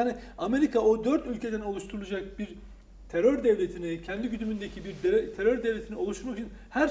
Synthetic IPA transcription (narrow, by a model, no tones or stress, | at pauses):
aːniame̞ɾikʰaod̪øɾt̪ylʲcʰe̞d̪æno̞lˠuʃt̪ʰuɾulˠud͡ʒak̚biɾ | t̪ʰeɾøɾd̪ɛvlʲet̪ʰinicʰɛnd̪iɟyd̪ymynd̪e̞cʰibiɾd̪t̪ʰeɾøɾd̪ɛvlʲe̞t̪ʰinio̞lˠuʃt̪uɾmut͡ʃʰinhæɾ